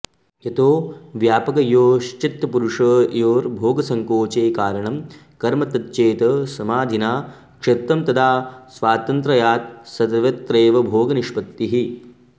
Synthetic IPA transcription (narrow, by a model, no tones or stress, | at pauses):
jɐt̪oːʋjaːpɐkɐjoːʃt͡ʃit̪ɐpuɾuʂɐːjoːɾbʱoːɡɐsɐŋkoːt͡ʃeːkaːɾɐɳɐm | kɐɾmɐt̪ɐt̪t͡ʃeːt̪ɐsɐmaːd̪ʱinaː | kʂet̪ɾɐmt̪ɐd̪ʰaːsʋaːt̪ɐnt̪ɾɐjaːt̪̚sɐd̪ɐʋɐt̪ɾeːʋɐbʱoːɡɐniʃpɐt̪ːiɦi